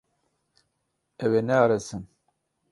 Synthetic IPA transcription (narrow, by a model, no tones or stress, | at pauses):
æwænæʁɾæsən